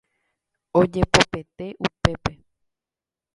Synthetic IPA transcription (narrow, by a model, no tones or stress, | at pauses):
o̞d͡ʒe̞pope̞t̪e̞ʔupe̞pe̞